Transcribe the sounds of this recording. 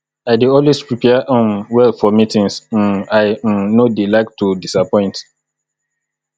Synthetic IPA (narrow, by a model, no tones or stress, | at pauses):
aɪdeɔlwespɹipʰɛʔ̩wɛlfɔmitĩŋs̩aɪnodelaɪk̚tʰudisapɔ̃ɪ̃nt